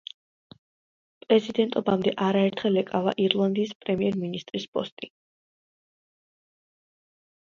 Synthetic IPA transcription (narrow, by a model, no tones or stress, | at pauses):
pʼɾɛzid̪ɛnt̪ʼɔbamd̪ɛʔaɾaɛɾt̪ʰχɛlɛkʼava̰ʔiɾlˠand̪iːspʼɾɛmiɛɾminist̪ʼɾispʼɔst̪ʼi